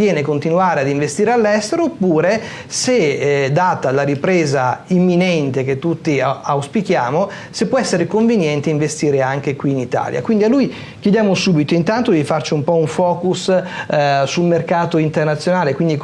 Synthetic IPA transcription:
jɛːnekont̪inuaːɾead̪iɱvest̪iːɾealːɛst̪eɾoːpːuːɾe | sed̪ːaːt̪alaɾipɾeːzaimːinɛnt̪ek̟et̪ːut̪ːiawspikjaːmo | sepːwɔɛsːeɾekoɱvenjɛnt̪eiɱvest̪iːɾeaŋk̟ekwiːnit̪a̰ːlja̰kwind̪ialːuj | kjɛd̪jaːmosuːbit̪oint̪ant̪od̪ifart͡ʃiumpɔuɱfɔːkus | sulmerkaːt̪oint̪ernat̪sjonaːlekwind̪i

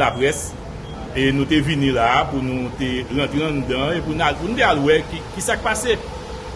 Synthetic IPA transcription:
lapɣɛs | enũt̪̬evinĩlapunũt̪eɣãt̪ɣeãnd̪ãepunalpunũt̪̬ealwɛkikisakipase

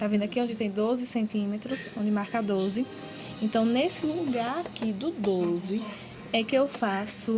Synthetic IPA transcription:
t̪avẽd̪ʊakiõd͡ʒɪt̪ẽj̃d̪ozɪsẽnt̪ĩmet̪ɾʊsõd͡ʒɪmaɾkad̪ozɪ | ẽnt̪ɐ̃w̃nesɪluɡaɾakid̪ʊd̪ozɪ | ɛkɪewfasʊ

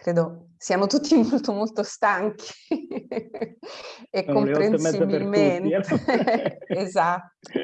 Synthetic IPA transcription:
kɾeːd̪osianot̪ut̪ːimolt̪omolt̪ost̪aŋk̟ʰi̥ | ekːompɾensibilment̪e | ezat̪ːo̥

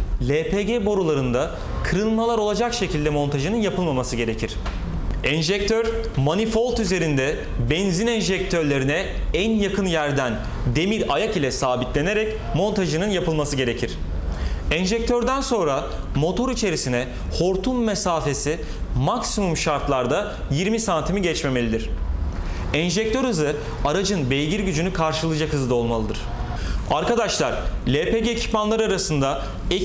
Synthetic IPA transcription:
lʲeːpʰeɟebo̞ɾulˠaɾɯnd̪a | kʰɯɾɯnmalˠaɾo̞lˠad͡ʒakʃe̞cʰilʲd̪ɛmo̞nt̪ʰaʒɯnɯnjapʰɯlˠmamasɯɟe̞ɾe̞cʰiɾ̥ | ɛnʒɛc̚t̪ʰøɾ | manifo̞lˠʲt̪yze̞ɾind̪ɛ | bɛnzinɛnʒɛc̚t̪ʰøɾlʲe̞ɾinɛænjakʰɯnjæɾd̪æn | d̪e̞miɾajakilʲɛsaːbit̪lʲe̞ne̞ɾɛc | mo̞nt̪ʰaʒɯnɯnjapɯlˠmasɯɟe̞ɾe̞cʰiɾ̥ | ɛnʒɛc̚t̪ʰøɾd̪ænso̞nɾa | mo̞t̪ʰo̞ɾit͡ʃʰe̞ɾisinɛ | ho̞ɾt̪ʰumːesaːfe̞si | maksimumʃaɾt̪lˠaɾd̪a | jiɾmisant̪ʰimiɟɛt͡ʃme̞me̞lʲid̪iɾ̝̥ | ɛnʒɛc̚t̪ʰøɾhɯzɯ | aɾad͡ʒɯnbejɟiɾɟyd͡ʒynykʰaɾʃɯlˠɯd͡ʒakhɯzɯd̪ao̞lˠmalˠɯd̪ɯɾ̥ | aɾkad̪aʃlˠaɾ̥lʲeːpeɟeːcʰi̥pmanlˠaɾaɾasɯnd̪a | e

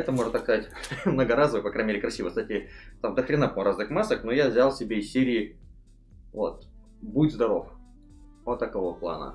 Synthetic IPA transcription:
ɛt̪əmoʐɨt̪ɐskɐzatʲmnəɡəɾazəvɨpɐkɾajnʲmʲeɪɾɪkɾɐsʲivəksatʲɪt̪amd̪əxɾʲɪnap̪ɾaznɨxmasəknojavzʲalˠsʲɪbʲeɪsʲsʲeɾʲɪː | vo̰t̪̚ | budʲzd̪ɐɾo̞f | ot̪ːɐkovoplˠa̰nə̰

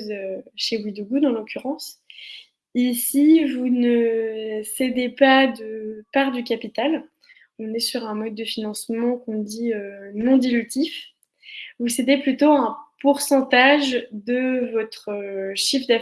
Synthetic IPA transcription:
zøʃewid̪uɡud̪ɑ̃lɔkʲyʁɑ̃s | isivunə | sed̪epad̪əpaʁd̪ykapit̪al | ɔ̃nɛsyʁɛ̃mɔd̪̚ːəfinɑ̃smɑ̃kɔ̃d̪iønɔ̃d̪ilyt̪ʰif | vused̪eplyt̪oɛ̃puʁsɑ̃t̪aʒd̪əvɔt̪χəʃifd̪a

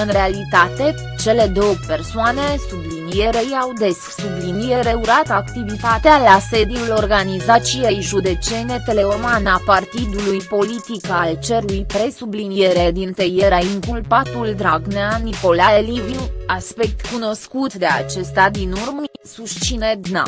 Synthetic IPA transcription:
ɨnɾe̞alit̪at̪e̞ | t͡ʃe̞le̞d̪o̞wpe̞rsoane̞sublinije̞ɾejawd̪e̞sksublinijeɾe̞uɾat̪akt̪ivit̪at̪ealase̞d̪iulo̞rɡanizat͡ʃijejʒud̪e̞t͡ʃe̞ne̞t̪e̞le̞omanapart̪id̪ulujpo̞lit̪ikalt͡ʃe̞ɾujpɾe̞sublinijeɾe̞d̪int̪ejeɾaiŋkulpat̪uld̪ɾaɡneaniko̞laelivinaspe̞k̚t̪kuno̞skut̪d̪e̞a̰t͡ʃe̞st̪ad̪inurməsuʃt͡ʃined̪na̰

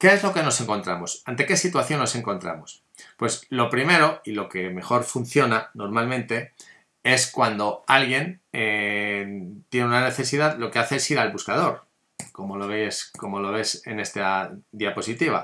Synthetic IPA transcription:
ke̞ezlo̞ke̞no̞se̞ŋko̞nt̪ɾamo̞sant̪e̞ke̞sit̪waθjo̞nːo̞se̞ŋko̞nt̪ɾa̰mo̞s | pwe̞slo̞pɾime̞ɾo̞ilo̞ke̞me̞xo̞ɾfun̟θjo̞nano̞ɾmalmẽnt̪e̞ | e̞skwand̪o̞alɣje̞ne | t̪je̞neunane̞θe̞siðaðlo̞ke̞aθe̞esiɾalβuskað̞o̞ɾ | ko̞mo̞loβesko̞mo̞lo̞β̞e̞se̞̰ne̞st̪ad̪iapo̞sit̪iβa̰

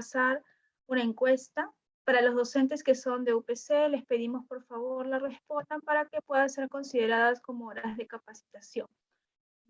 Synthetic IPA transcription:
saɾ | unae̞ŋkwe̞st̪a | paɾalo̞zðo̞se̞nt̪̬e̞ske̞so̞nd̪e̞upese̞le̞spe̞ðimo̞spo̞ɾfaβo̞ɾlare̞spo̞nd̪ampaɾake̞pwe̞ðase̞ɾko̞nsið̞e̞ɾaðasko̞mo̞oɾaazðe̞kapasi̥t̪asjo̞ŋ

